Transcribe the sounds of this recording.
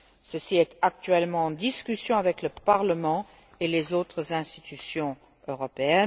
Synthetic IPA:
səsiɛt̪ak̚t̪ɥɛlmɑ̃ɑ̃d̪iskʲysjɔ̃avɛkləpaʁləmɑ̃ | elezoːt̪χəzɛ̃st̪it̪ysjɔ̃ | øʁɔpeɛn

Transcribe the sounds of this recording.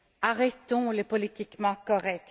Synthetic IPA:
aʁɛt̪ɔ̃lepɔlit̪ikmɑ̃kɔʁɛk

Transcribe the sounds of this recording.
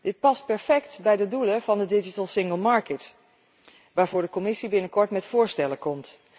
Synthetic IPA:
dɪt̚pɑst̚pɛɹfɛktbɛjdəduləv̥ɑndədɪd͡ʒitəlˠsɪŋɡəlˠmɑɹkət | ʋaːɹvʊːɹdəkomɪsibɪnəkɔɹtmɛtfʊːɹstɛləkɔmt

